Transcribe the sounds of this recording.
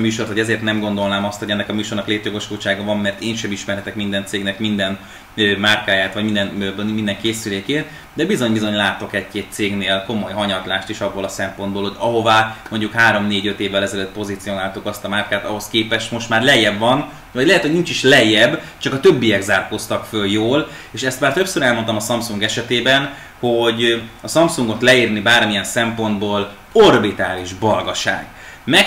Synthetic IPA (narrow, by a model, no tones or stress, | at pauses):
myːʃo̞rt̪hoɛzeːrt̪nɛmɡo̞nd̪o̞lnaːmɒst̪ho̞ɟɛnːɛkɒmyːʃo̞rnɒkleːt̪jo̞ɡoʃkuːt͡ʃaːɡɒvɒmːɛrt̪eːnʃɛmiʃmɛrhɛt̪ɛkmind̪ɛnt̪seːɡnɛkmind̪ɛn | ømaːrkaːjaːt̪ʋɒɟmind̪ɛnmind̪ɛŋkeːsyleːkeːt̪ | d̪ɛbizo̞ɲbizo̞ɲlaːt̪o̞kɛckeːt̪seːɡneːlko̞mo̞jɦɒɲɒt̪laːʃt̪iʃɒbːolɒsɛmpo̞nd̪boːlho̞ɟɒɦo̞vaːmo̞ɲɟukhaːɾo̞mneːɟøt̪eːvːɛlɛzɛløt̪̚po̞zit̪sijo̞naːlt̪ukɒst̪ɒmaːrkaːt̪ɒɦo̞skeːpɛʃt̪mo̞ʃt̪maːrlɛjːɛbvɒn | vɒɟlɛɦɛt̪ho̞ɟnint͡ʃiʃlɛjːɛbt͡ʃɒkɒt̪øbːijɛɡzaːrkost̪ɒkføljoːl | eːʃɛst̪maːrt̪ø̞psøɾɛlmont̪ɒmɒsɒmsuŋɡɛʃɛt̪eːbɛn | ho̞ɟɒsɒmsuŋɡo̞t̪lɛiːrnibaːrmijɛnsɛmpo̞nd̪boːl | o̞rbit̪aːliʒbɒlɡɒʃa̰ːɡ | mɛ